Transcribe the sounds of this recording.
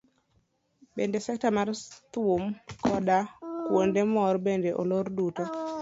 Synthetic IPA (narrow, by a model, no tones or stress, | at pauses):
bendesɛk̚tamart̪womkɔdakwondemɔrbendeʔolorduto